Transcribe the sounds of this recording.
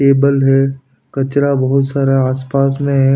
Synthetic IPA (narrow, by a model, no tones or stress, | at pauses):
eːbəlɦɛ | kɐt͡ʃɾabɐɦʊt̪saːɾaɦaːspaːsmẽɦɛ